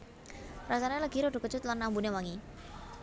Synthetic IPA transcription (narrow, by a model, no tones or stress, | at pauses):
rasanaləɡ̥iɾɔɖo̤kət͡ʃʊt̪lanːambunewaŋi